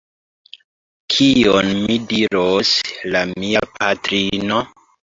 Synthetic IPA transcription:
kʰionmidiɾoslammiapatɾino

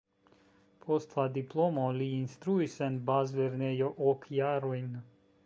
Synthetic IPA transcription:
pʰost̪lˠad̪iplˠɔmɔlinst̪ɾuisɛnbazvɛɾnɛjɔʔɔkʰjaɾujn

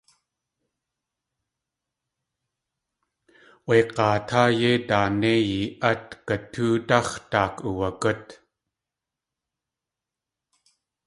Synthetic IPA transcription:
ʔweqɑːt̪ʰaːjet̪aːnejiʔat̪kət̪ʰuːt̪aχt̪aːkuvakət̪

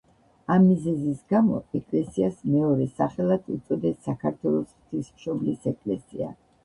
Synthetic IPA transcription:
amːizɛzisɡamɔ̰ɛkʼlɛsiasmɛɔɾɛsaχɛlˠad̪ṵt̪sʼɔd̪ɛsːakʰaɾt̪ʰwɛlˠɔsχt̪ʰismʃɔblisɛkʼlɛsḭa̰

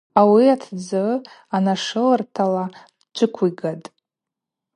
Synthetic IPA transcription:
awiatʰd͡zɨ | anaʂɨlɨrtʰala | d͡ʒʷɨkʷʰiɡatʼ

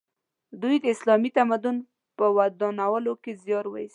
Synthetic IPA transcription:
d̪ujd̪əɪslɑmit̪amad̪ʊn | pəwad̪ɑnawəlokezjɑɾwə̰is

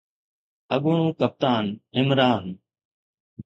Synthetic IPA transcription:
əɠoːɳũːkəp̚t̪aːnɪmɾaːn

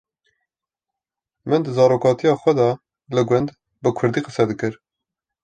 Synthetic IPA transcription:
mɨnd̪əzɑːɾoːkɑːt̪ijɑːxʷɛd̪ɑ | lɨɡʷɛnd̪ | bɨkʰʊɾd̪iːqəsɛd̪ɨkɨɾ

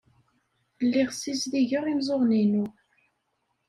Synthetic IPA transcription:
lːiʁsisðiʝəʁimzˤoʁninu

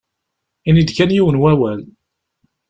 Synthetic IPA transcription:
inid̪kænjiwənwæwæl

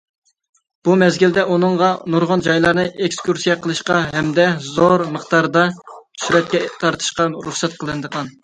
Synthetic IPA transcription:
b̥umɛzɡʲild̪ɛʔunɨŋʁɑnuɾʁʊnd͡ʒɑjlˠɑɾnɨʔekskuɾsijɛqʰəlˠɨʃqɑɦɛmd̪ɛzoɾməχt̪ɑɾd̪ɑtʰy̥ʃɾɛt̪̚kʲɛt̪ʰɑɾt̪ʰɨ̥ʃqɑɾuχsɛt̪̚qʰəlˠɨnd̪əʁɑn

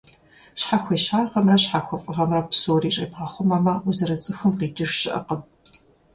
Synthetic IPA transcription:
ɕħaχʷeːʃaːʁɐmrɐɕħaxʷɔfʼɨʁɐmrɐpsoːriːt͡ʃʼɐbʁɐχʷʊmamɐuzɐɾɐt͡sʼɨxɨmqiːd͡ʒɪʂʃɪʔɐ̰qəm

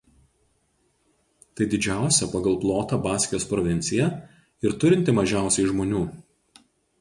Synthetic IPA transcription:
t̪ɐɪd̪ʲɪd͡ʒʲæˑʊsʲɛpɐɡɐlˠplˠoːt̪ɑːbɑːsʲkʲɪjoːspɾɔʋʲɪnʲt̪sʲɪjɛ | ɪɾt̪ʊɾʲɪnʲt̪ʲɪmɐʒʲæˑʊsʲɛɪʒmoːnʲuː

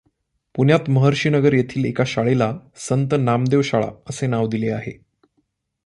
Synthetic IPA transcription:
puɳjat̪məɦəɾɕiːnəɡəɾjet̪ʰiːlekaɕaɭelasənt̪ənamd̪eʋɕaɭa̰əsenaʋd̪ileaɦḛ

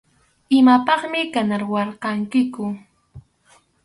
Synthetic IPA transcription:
ɪmapɑχmɪkanaɾwɑɾqɑŋkɪkʊ

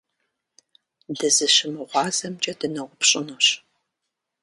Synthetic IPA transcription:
dɨzɨɕɪmɨʁʷɑːzɐmt͡ʃʼɐdɨnɐʁʷʊpʰɕʼɪnoɕ

